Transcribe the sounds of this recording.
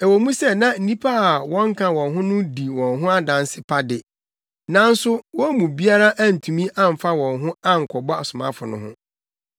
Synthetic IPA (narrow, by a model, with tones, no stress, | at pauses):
ɛ˨wɔ˨˦mũ˦sɛ˦nã˦n̩˨nĩ˦pʰa˦a˨wɔ̃˦ŋ̩˦kʰã˨wɔ̃˨nɦʊ̃˦nʊ̃˦di˨wɔ̃˨nɦʊ̃˦a˦dã˨nsɪ˦pʰa˦dɪ˨ | nã˨n̩˦sʊ˦wɔ̃˦mũ˨bi˦a˦ɾa˦ʔa˦n̩˨tʰũ˨mĩ˦ʔã˦˨m̩˨fa˦wɔ̃˨nɦʊ̃˦a˦ŋ̩˨kʰɔ˨bɔ˦a˨sʊ˨mã̰˦fʊ˨nʊ̰̃˦ɦʊ̰̃˦